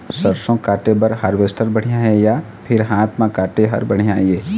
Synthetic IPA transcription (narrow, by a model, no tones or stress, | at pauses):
sɐɾsõkaːʈebɐɾɦaɾʋeːsʈʰəɾbɐɽ̤ijaɦeja | pʰɪɾɦãːt̪ʰmãkaːʈeɦɐ̰ɾbɐɽ̤ijaːieː